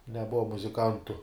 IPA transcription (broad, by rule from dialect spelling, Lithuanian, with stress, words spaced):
nʲɛˈbʊʋɐ mʊzʲɪˈkɐntʊ